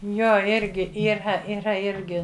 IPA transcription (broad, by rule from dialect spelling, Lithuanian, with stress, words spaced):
ˈjoː ˈɪrʲɡʲɪ iːˈrɐ iːˈrɐ ˈɪrʲɡʲɪ